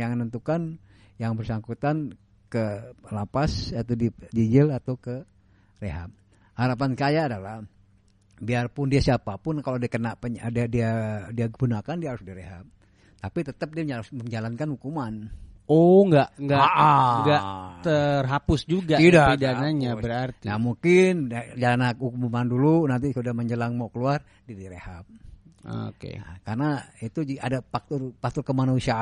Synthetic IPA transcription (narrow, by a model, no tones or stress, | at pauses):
jaŋənənt̪ukan | jaŋbərsaŋkut̪an | kəlapasat̪adid͡ʒid͡ʒɪlat̪awkə | reɦa̰p̚ | haɾapankajaːdalah | biarpʊndiasiapapʊnkalowdiakənaʔpədadiadiakəɡunakandiahaɾʊsdahɾeɦap̚ | t̪apit̪ət̪əp̚diamməɲd͡ʒalankanhukumanoŋɡaʔŋɡaʔŋɡaʔt̪ərɦapʊsd͡ʒuɡaidaidanaɲabəɾart̪ijamuŋkɪnd͡ʒalanahukumumandulunant̪̬isudahməɲd͡ʒəlaŋmokəluar | diadiɾehap̚o̰kḛkarnait̪uʔadapak̚t̪ʊrfak̚t̪ʊrkəmanusia